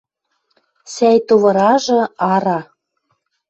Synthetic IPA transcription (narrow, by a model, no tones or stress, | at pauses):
sæjt̪uβɤ̆ɾɑʒɤ̆ɑɾɑ